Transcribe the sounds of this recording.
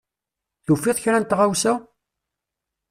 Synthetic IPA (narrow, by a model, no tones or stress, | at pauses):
θufːiðˤçɾænt̪ʁawsæ